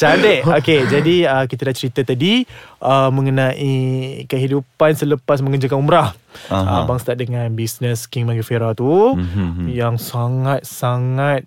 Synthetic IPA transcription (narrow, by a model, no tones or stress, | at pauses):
t͡ʃadəʔoked͡ʒadiəkit̪adat͡ʃəɾit̪at̪adiʔəmə̃ŋənãʔikəɦidupansələpasmə̃ŋəd͡ʒakanumɾah | ə̰baŋst̪adəŋãnbisnəskiŋmaŋɡəfeɾat̪u | jaŋsaŋat̪̚saŋat̪̚